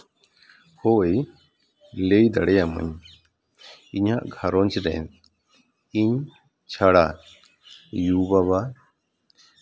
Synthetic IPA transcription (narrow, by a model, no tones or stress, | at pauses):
hoej | lejd̪aɽɛjamə̰ɲ | iɲaʔɡʱaɾɔnt͡ʃɾɛ̰n | iɲ | t͡ʃʰaɽa | jubaβa